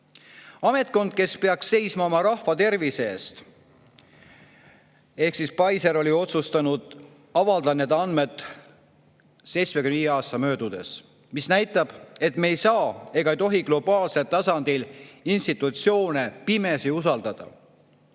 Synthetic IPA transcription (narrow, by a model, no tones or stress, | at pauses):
ɑme̞t̪̚ˑko̞nd̪̥̚ke̞spe̞ɑksːe̞jsmɑo̞mɑɾɑhvɑt̪e̞rvise̞ːst̪ | e̞hksispɑjseɾo̞lʲio̞t̪sust̪ɑnud̪̥ | ɑvɑld̪ɑne̞d̪ɑnme̞d̪̥ˑ | se̞jsmekynijeɑːst̪ɑmø̞ːd̪ud̪̥e̞̰s | misnæjt̪ːˑɑb̥e̞t̪me̞jsɑːe̞ɡ̥ɑejt̪o̞ɦiɡ̥lo̞b̥ɑːlselt̪ɑsɑnd̪ilinst̪it̪ːˑut̪sjo̞ːnepime̞siusɑld̪̥ɑd̪̥ɑ̰